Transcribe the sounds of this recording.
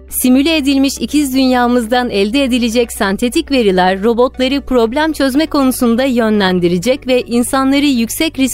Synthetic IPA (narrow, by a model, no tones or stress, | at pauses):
simylʲeed̪ilʲmiʃicʰizd̪ynjaːmɯzd̪anɛlʲd̪ɛːd̪ilʲed͡ʒɛcsɛnt̪ʰe̞t̪ʰicve̞ɾilʲæɾːo̞bo̞t̪lˠaɾɯpʰɾo̞blʲæmt͡ʃʰø̞zmɛkʰo̞nusund̪ajø̞nlʲænd̪iɾid͡ʒɛcvɛʔinsanlˠaɾɯjycsɛcɾis